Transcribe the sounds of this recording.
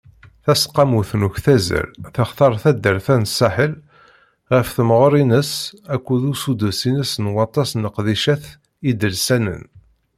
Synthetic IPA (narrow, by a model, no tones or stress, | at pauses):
θæsqːɑmuθnuçθæzə̰lθəχθɑɾˤθæd̪ːəɾθænəsːæħəl | ʁəfθəmʁəɾˤinəsækʷːuðusud̪əsinəsnwɑt̪ˤːɑsnəqðiʃæθ | id̪əlsænə̰n